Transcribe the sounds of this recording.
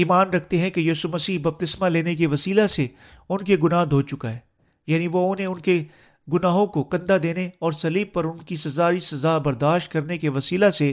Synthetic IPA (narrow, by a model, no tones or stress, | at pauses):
iːmaːnɾɐk̚ʰt̪eɦɛ̃kejiːsumɐsiːɦbɐb̚t̪ɪsmaleːnek̬eʋɐsiːlase | ʊnkeɡʊnaːɦd̪ʱoːt͡ʃʊkaɦɛː | jaːniʋoʊ̃nɦẽʊnke | ɡʊnaːɦõkokɐ̃nd̪ad̪eːneɔːɾsɐliːb̚pːɐɾʊnkisɐzaːisɐzaːbɐɾd̪aːʃt̪̚kɐɾnekeʋɐsiːlase